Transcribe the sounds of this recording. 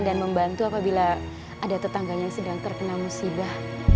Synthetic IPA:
ndanməmbant̪uapabila | adat̪ət̪aŋɡaɲjaŋsədaŋt̪ərkənalmusibah

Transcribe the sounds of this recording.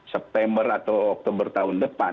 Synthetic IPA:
sɛp̚t̪ɛmbərat̪awɔk̚t̪ɔbərt̪aʊndəpa

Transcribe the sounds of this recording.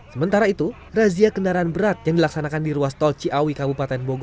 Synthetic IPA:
səmənt̪aɾait̪u | raziakəndaɾaːnbəɾat̪̚jaŋdilaksanakandiɾuast̪ɔlt͡ʃiʔawikabupat̪ɛnboɡ

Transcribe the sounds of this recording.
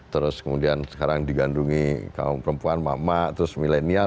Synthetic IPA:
t̪əɾʊskəmudiansə̥kaɾaŋdiɡanduŋika̰ʊmpəɾəmpuanmamat̪əɾʊsmilenia

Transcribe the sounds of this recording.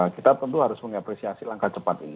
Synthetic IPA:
kit̪at̪ənt̪uɦaɾʊsməŋapɾesiasilaŋkat͡ʃəpat̪ini

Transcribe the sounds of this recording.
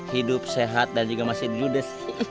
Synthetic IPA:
hidʊp̚seɦat̪̚dand͡ʒuɡamasɪdid͡ʒudəs

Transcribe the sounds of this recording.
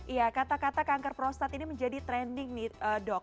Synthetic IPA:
ʔijakat̪akat̪akaŋkərpɾɔst̪at̪iniməɲd͡ʒadit̪ɾɛndɪŋnɪhʔəːdɔk̚

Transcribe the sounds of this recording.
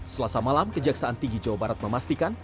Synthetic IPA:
səlasamalamkəd͡ʒaksaʔant̪iŋɡid͡ʒawabaɾat̪̚məmast̪ikan

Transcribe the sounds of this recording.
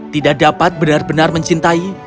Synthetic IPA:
t̪idakdapat̪̚bənarbənarməɲt͡ʃint̪ai

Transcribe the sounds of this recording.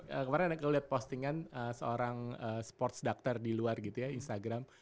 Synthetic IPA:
əkəmaɾɪŋkaliɦat̪̚post̪iŋanəsəoɾaŋəːsə̥pɔrt̪sdak̚t̪ardiluarɡit̪ujainst̪aɡɾam

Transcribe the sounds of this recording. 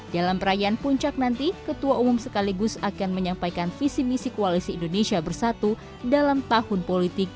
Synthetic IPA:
dalampəɾajaːnpuɲt͡ʃak̚nant̪ikət̪uaumʊmsəkaliɡʊsakanməɲampajkanfisimisikoalisiːndonesiabərsat̪u | dalamt̪ahʊnpolit̪ɪk̚

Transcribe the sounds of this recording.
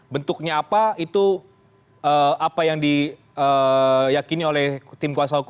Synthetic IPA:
bənt̪ʊk̚ɲaːpait̪u | əːapajaŋdi | əjakiniolɛht̪ɪmkuasaɦuk

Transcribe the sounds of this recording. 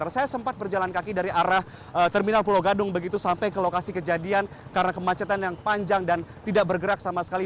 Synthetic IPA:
rsajasəmpat̪̚bərd͡ʒalankakidaɾiʔaɾah | ət̪ərminalpuloɡadʊŋbəɡit̪usampajkəlokasikəd͡ʒadian | kaɾənakəmat͡ʃat̪anjaŋpaɲd͡ʒaŋdant̪idaʔbərɡəɾak̚samasə̥kali

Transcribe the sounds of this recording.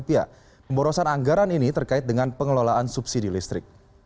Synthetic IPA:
pia̰ | pəmbɔɾɔsanaŋɡaɾaninit̪ərkaɪt̪̚dəŋanpəŋəlolaʔansupsidilist̪ɾɪk̚

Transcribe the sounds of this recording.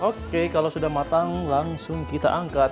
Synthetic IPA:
okekalawsudahmat̪aŋlaŋsʊŋkit̪a̰ʔaŋkat̪

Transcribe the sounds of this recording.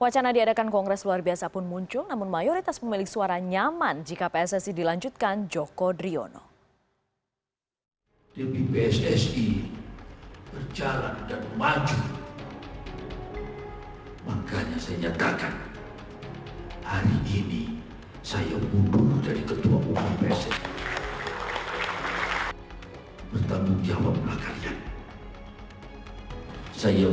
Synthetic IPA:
wat͡ʃanadiadakankɔŋɡɾɛsluarbiasapʊnmuɲt͡ʃʊlnamʊnmajoɾit̪aspəmilɪksuaɾaɲamand͡ʒikapeɛsɛsidilaɲd͡ʒut̪̚kand͡ʒɔkɔdɾiɔ̰noɔ̰ | depipeɛsɛsi | bərd͡ʒala̰ndanmad͡ʒu | makaɲasajaɲat̪akan | haɾiʔini | saja̰muduŋdaɾikət̪ua̰ʔupipeɛsɛsi | pərt̪amuŋd͡ʒawap̚lakalian | saja

